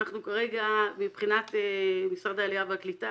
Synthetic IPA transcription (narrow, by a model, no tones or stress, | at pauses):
aχnukaʁe̞ɡamipχinat̪emisaʁd̪aːliaveaklita